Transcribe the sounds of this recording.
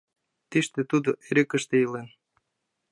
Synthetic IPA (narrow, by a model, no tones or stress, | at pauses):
t̪iʃt̪et̪ud̪oʔeɾekəʃt̪eilen